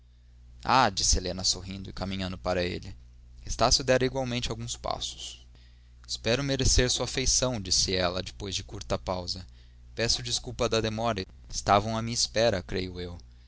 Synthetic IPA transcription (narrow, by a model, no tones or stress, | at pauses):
a̰d͡ʒisɪelẽnɐsoɦĩnd̪ʊɪkamĩɲɐ̃nd̪ʊpaɾɐḛlɪ | est̪asjʊd̪ɛɾɐiɡwawmẽnt͡ʃawɡũspa̰sʊ̥s | ɪ̥spɛɾʊmeɾeseɾsuɐfejsɐ̃w̃d͡ʒisɪɛlɐd͡ʒɪpojzd͡ʒɪkuɾt̪ɐpawzɐ | pɛsʊd͡ʒiskuwpɐd̪ɐd̪emɔɾɐ | ɪst̪avɐ̃w̃ɐmĩɲɐispɛɾɐkɾejʊew